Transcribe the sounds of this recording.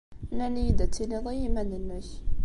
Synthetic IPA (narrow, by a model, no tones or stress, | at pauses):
nænijid̪æt͡sːileðˤijimænənːəç